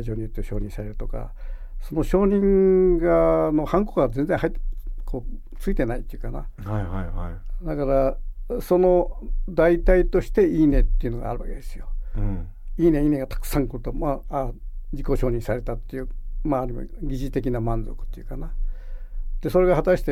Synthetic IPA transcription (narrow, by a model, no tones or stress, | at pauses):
ʑo̞ːɲ̟it̪ːeɕo̞ːɲ̟ĩsaɾe̞ɾɯ̟̥t̪o̞ka̰ | so̞no̞ɕo̞ːɲĩŋɡano̞hãŋkokɡd͡zẽ̞nd͡zẽɦait̪ːkʰoː | t͡sɨit̪e̞nait̪ːeiɯ̟kana̰ | d̪akaɾaso̞no̞d̪ait̪ait̪o̞ɕi̥t̪e̞iːne̞t̪ːeiɯ̟no̞ɡa̰a̰ɾɯ̟βaked̪esɨjo̞ | iːne̞iːne̞ɡat̪ḁkɯ̥sãŋkɯɾɯ̟t̪o̞maad͡ʑiko̞ɕo̞ːɲ̟ĩsaɾe̞t̪at̪ːe̞jɯmaːɾimo̰ɡʲiʑit̪e̞kʲinamãnd͡zo̞kɯ̟̥t̪ːejɯ̟kana | d̪̥e̞so̞ɾe̞ɡaɦat̪aɕi̥t̪e